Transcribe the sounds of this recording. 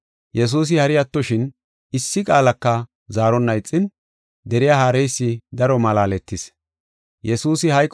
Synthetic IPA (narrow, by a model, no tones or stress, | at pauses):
jɛs̬uːs̬ɪhɐɾɪjɐt̪ːɔʃɪn | ɪsːɪkʼaːlɐkːɐ | zaːɾɔnːɐjt͡sʼːɪn | d̪ɛɾɪjaːhaːɾɛjsːɪd̪ɐɾɔmɐlaːlɛt̪ːɪs | jɛsuːsɪhɐjkʼː